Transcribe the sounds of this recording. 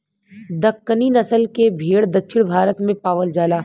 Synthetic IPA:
d̪ɐkːəniːnɐsəlkebʱeːɽd̪ɐtːʃʰɪɽ̃bʱaːɾət̪mẽpaːʋəld͡ʒaːlaː

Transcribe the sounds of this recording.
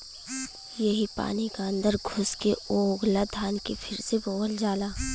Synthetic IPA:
jɐɦipa̰ːnikaə̃nd̪əɾɡʱʊskeoːɡlad̪ʱaːnkepʰɪɾseboːəld͡ʒaːlaː

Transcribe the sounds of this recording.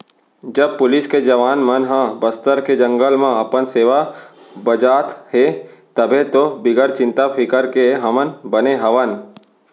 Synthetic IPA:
d͡ʒəb̚pʊlɪsked͡ʒɐʋaːnmənɦãbəst̪əɾked͡ʒə̃ŋɡəlmãɐpənseːʋa | bəd͡ʒaːt̪ɦet̪əbʱet̪obɪɡəɾt͡ʃɪ̃nt̪apʰɪkəɾkeɦɐmənbəneɦəʋən

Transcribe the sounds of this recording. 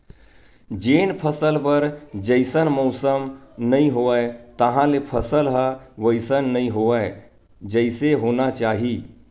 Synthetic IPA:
d͡ʒenpʰəsəlpəɾd͡ʒəɪsənməʊsəmnəiɦoəɪt̪əɦãlepʰəsəlɦəʋəɪsənːəiɦoəɪ | d͡ʒəɪseɦonat͡ʃaɦi

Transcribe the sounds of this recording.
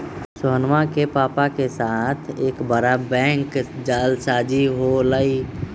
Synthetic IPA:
sʊɦənmakepaːpakesaːt̪ʰeːkbəɾabɛ̃ːŋkd͡ʒaːlsaːd͡ʒiɦolai

